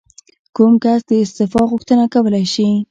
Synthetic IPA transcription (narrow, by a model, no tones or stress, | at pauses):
kumkasd̪əɪst̪ɪfɑɣʊxt̪ənakawəlajʃi